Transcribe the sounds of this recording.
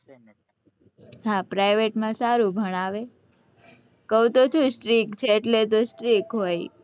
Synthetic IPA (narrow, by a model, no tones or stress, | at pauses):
ɦãpɾajʋeʈmãsaɾũbʱəɽ̃aʋe | kəwt̪ot͡ʃʰũsʈɾikt͡ʃʰeːʈlet̪osʈɾikɦoj